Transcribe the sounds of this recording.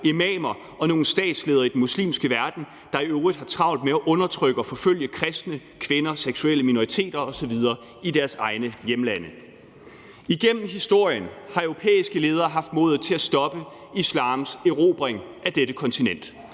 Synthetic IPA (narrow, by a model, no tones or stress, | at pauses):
e̝mɛːmɐ | ɒ̽no̝ːn̩sd̥ɛ̰ːd̥sle̝ːðˠɐid̥en̩muslḭːmsɡ̥əʋæɐd̥n̩ | d̥ɑ̈iøʊʁid̥ˠhɑ̈t͡sʰʁɑ̈ʊ̰nd̥meæʔɔ̽nɐt͡sʰʁœɡ̥əɒ̽fɒ̽føl̰jəkʰʁɛsd̥nəkʰʋe̝nɐseɡ̥sueləmino̝ʁit͡sʰe̝̰ːd̥ɐɒ̽sɒ̽ʋið̞ˠɐː | id̥æɐsɑ̈ɪnəjemlænə | iɡ̥en̰m̩ɦisd̥o̝ɐ̰jənhɑ̈œʊo̝pʰḛːisɡ̥əle̝ːð̞ˠɐːɦɑ̈fd̥mɔ̽ːðˠð̩ˠt͡sʰe̝læsd̥ɒ̽b̥ə | islɑ̈ːmseʁo̝ːb̥ʁeŋ | ʔæd̥eɾ̥əkʰɒ̽nt͡sʰinen̰d̥